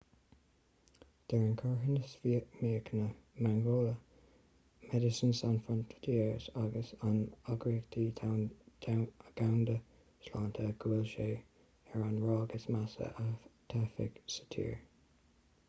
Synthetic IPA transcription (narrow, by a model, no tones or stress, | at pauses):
d̪̥ɛɹənkʰɔɹɦənəsvimiːəknəmaŋɡoːlə | mɛdɪsənsanfɹɔnt̪ʰə̥tʰiːəɹsaɡəsanaɡɹiəkt̪ʰi̥ː | ɡ̥awnd̪ə | slaːnt̪ʰəɡ̥ulʃeː | ɛɹanɹɑːɡəsmasə̰ʔət̪ʰafɪ̰ɡsə̥t̪ʰḭːɹ